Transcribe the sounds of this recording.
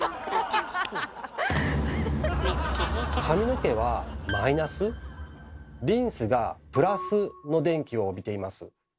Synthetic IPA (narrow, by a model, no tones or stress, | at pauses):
kʰamʲino̞ke̞β̞amainasɨ | ɾʲĩɰ̃sɨɡapɯ̟ɾasɨno̞d̪ẽ̞ŋkʲio̞ːbʲit̪e̞imasɨ̰